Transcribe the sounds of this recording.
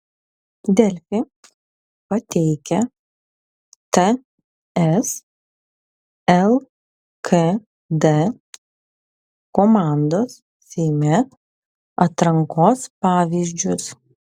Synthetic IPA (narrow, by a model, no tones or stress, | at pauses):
d̪ʲɛlʲfʲɪ | pɐt̪ʲɛɪkʲɛ | t̪ɛ | ɛs | ɛlˠ | kʰe | d̪ɛ | komaˑnd̪oːs | sʲɛɪmʲɛ | ɐt̪ɾɐŋkoːspɑːʋʲiːzʲd͡ʒʲʊs